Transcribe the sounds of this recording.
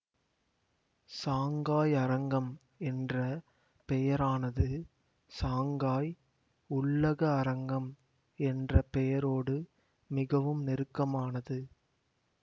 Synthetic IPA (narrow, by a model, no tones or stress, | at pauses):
saːŋɡaːjɐɾɐŋɡɐm | ɛndrɐ | pɛjɐɾaːnɐðɯ | saːŋɡaːj | ʊɭːɐɣɐːɾɐŋɡɐm | ɛndrɐpɛjɐɾoːɽɯ | mɪɣɐʋɯmnɪɾɯkːɐmaːnɐðɯ